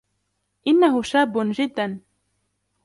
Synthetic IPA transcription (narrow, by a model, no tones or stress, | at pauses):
ʔɪnːaɦʊʃaːbːʊd͡ʒɪd̪ːan